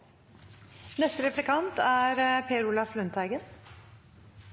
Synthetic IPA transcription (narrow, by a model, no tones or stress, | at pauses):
nɛst̪əɾɛflɪkʰɑnt̪æːɾpʰeːəɾʊlɑflœnt̪ʰhæɪɡən